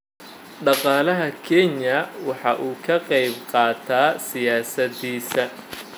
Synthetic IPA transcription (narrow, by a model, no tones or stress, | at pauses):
ɖɑqɑːlɐɦɐkʰɛɲjɐwɑħɑʔuːkʰɐqɑjbqɑːt̪ʰaːsɪjaːsɐðiːsɐ